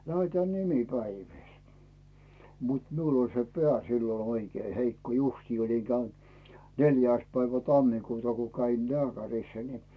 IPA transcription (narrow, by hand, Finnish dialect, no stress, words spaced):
læetæː nimipæiʋiˑl mut miul olʲ se peæˑ silːon̞ oikeː heikːo justiː oliŋ ɡ̊æynt neljæˑĭs pæiʋæ tɑmːikuːtɑ ko kæin lĕæˑkærisːæ ni